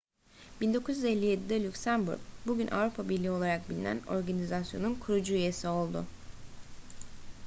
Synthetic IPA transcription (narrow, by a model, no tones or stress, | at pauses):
b̥ind̪o̞kʰuzjyze̞lʲːije̞d̪id̪ɛlʲycsæmbṵɾk̚buɟynʔa̰vɾupʰabiɾlʲio̞lˠaɾak̚bilʲinæ̰no̞ɾɡanizasjo̞̰nunkʰuɾud͡ʒuyje̞sio̞lˠd̪ʊ